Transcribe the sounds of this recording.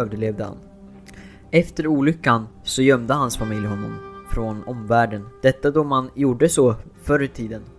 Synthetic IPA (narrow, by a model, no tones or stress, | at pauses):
øːvd̪əɭeːvd̪əha̰n | ɛft̪əɾuːlʏkːan | sɔjœmd̪əhansfamɪljɦɔnːɔ̰mfɾɔnɔmvæːɖənd̪̥ɛt̪ːad̪ɔmanjuːɖəsɔ | fœɾət̪ʰiːd̪ən